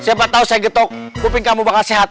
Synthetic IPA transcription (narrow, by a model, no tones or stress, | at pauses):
siapat̪ausajaɡət̪ɔk̚kupɪŋkamubakalseɦat̪̚